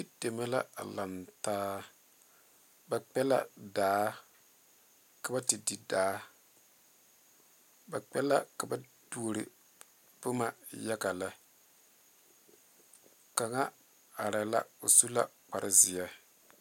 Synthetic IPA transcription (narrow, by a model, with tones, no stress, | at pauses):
i˦d̥e˨ma˦la̰˦a̰˨la˨ntaː˦ | ba˨k͡pɛ˦la̰˦daː˦ | ka˨ba˦tɪ˨di˨daː˦ | ba˨k͡pɛ˦la˦ka˨ba˦d̥u˦o˦˨ɾɪ̰˨ | pʊ˦ma˨ja˦ka˨la˦ | ka˨ŋa˦ | a˨ɾa˨la̰˦o˨su˦la̰˦k͡pa˨ɾʔɪ˨zɪ˨ja˦